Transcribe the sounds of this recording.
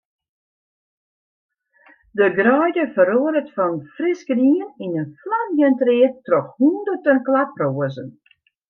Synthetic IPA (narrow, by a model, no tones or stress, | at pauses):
dəɡrœjdəfəɾoədətfɔnfrɪskəriəninənflamjəntrɪətrɔxhundərtənklat̚proəzən